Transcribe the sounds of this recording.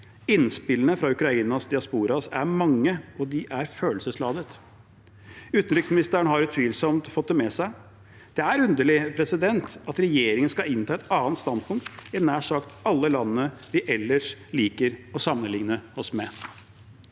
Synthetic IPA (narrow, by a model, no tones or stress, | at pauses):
ɪnspɪlənəfɾɑʉkɾɑiːnɑsd̪ɪɑspuːɾɑsæɾmɑŋːəɔd̪ɪʔæɾføːlsəslɑːd̪ət̪ | ʉːt̪nɾʏksmɪnɪst̪əɾəɳɦɑɾʉt̪ʰʋiːlsɔmt̪fɔt̪̚ːd̪ɛmɛsæɪ | d̪̥ɛæɾʉnd̪əɭɪpʰɾɛsɪd̪ɛnt̪ɑt̪ɾɛjeːɾɪŋənskɑɪnt̪ʰɑːɛt̪ɑːnt̪st̪ɑnd̪̚pʰʊŋk̚t̪ɛnd̪ææʂɑkt̪ɑlːəlɑnːəʋɪʔɛlːəʂliːkəɾɔsɑmːənlɪŋnəɔsmɛ